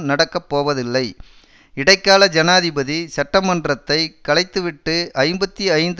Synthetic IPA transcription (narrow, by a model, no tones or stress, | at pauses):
nɐɽɐkːɐpːoːʋɐðɪlːɐɪ | ɪɽɐɪkːaːlɐd͡ʒɐnaːðɪbɐðisɐʈːɐmɐnɖrɐt̪ːɐɪkɐɭɐɪt̪ːɯʋɪʈːɯɐɪmbɐt̪ːiɐɪnd̪